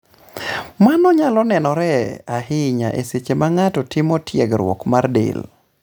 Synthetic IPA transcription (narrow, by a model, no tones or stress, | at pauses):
manɔɲalɔnɛnɔɾɛahɪɲa̰ʔeset͡ʃemaŋatɔtɪmɔtjeɡɾwɔ̰kmardḛl